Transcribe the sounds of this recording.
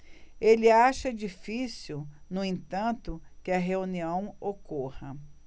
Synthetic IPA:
elɪaʃɐd͡ʒifisiwnʊẽt̪ɐ̃nt̪ʊkɪɐɦeuniɐ̃w̃okohɐ

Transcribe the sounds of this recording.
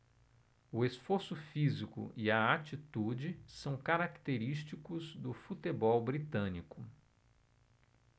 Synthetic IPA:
ʊesfoɾsʊfizikʊ̰iɐat͡ʃit̪ud͡ʒɪsɐ̃w̃kaɾakt̪eɾist͡ʃikʊzd̪ʊfut̪ebɔwbɾit̪ɐ̃nikʊ

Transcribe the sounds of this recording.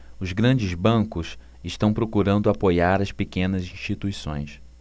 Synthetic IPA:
ʊzɡɾɐ̃d͡ʒɪzbɐ̃ŋkʊs | ɪʃt̪ɐ̃w̃pɾokuɾɐ̃nd̪ʊapojaɾɐspekẽnɐzĩʃt͡ʃit̪uisõ̰j̃s

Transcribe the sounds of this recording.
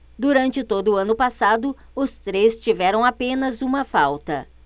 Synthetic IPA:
d̪uɾɐ̃nt͡ʃɪt̪od̪ʊːɐ̃nʊpasad̪ʊ | ʊst̪ɾest͡ʃivɛɾɐ̃w̃apẽnɐzũmɐfawt̪ɐ̰

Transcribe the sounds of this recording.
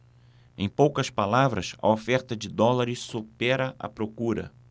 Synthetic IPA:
ẽj̃powkɐspalavɾɐsɐ̰ofɛɾt̪ɐd͡ʒɪd̪ɔlaɾɪssupɛɾɐʔɐ̰pɾokuɾɐ̰

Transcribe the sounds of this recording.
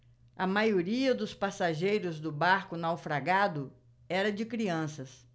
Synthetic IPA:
ɐmajoɾiɐd̪ʊspasaʒejɾʊzd̪ʊbaɾkʊnawfɾaɡad̪ʊ | ɛɾɐd͡ʒɪkɾiɐ̃sɐs

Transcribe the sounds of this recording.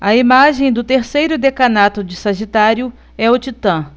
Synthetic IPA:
ɐimaʒẽj̃d̪ʊt̪eɾsejɾʊd̪ekɐnat̪ʊd͡ʒɪsɐʒit̪aɾjʊ | ɛʊt͡ʃit̪ɐ̃

